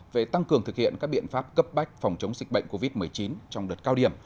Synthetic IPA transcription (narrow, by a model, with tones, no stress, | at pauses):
ve˨˩t̪a˧ŋkɨ˨˩əŋt̪ɨ˨˩k̚hḭ˧˨ənkaː˦˥k̚ɓḭ˧˨ənfaː˦˥p̚kə˦˥p̚ɓa˦˥jk̟̚fɔ˨˩wŋ͡mt͡ɕə˨˦wŋ͡mzï˨˩k̟̚ɓə̰˧˨jŋ̟ko˧vi˦˥t̚mɨ˨˩əjt͡ɕi˨˦nt͡ɕɔ˧wŋ͡mɗəː˨˩t̚kaː˧wɗi˨˩əm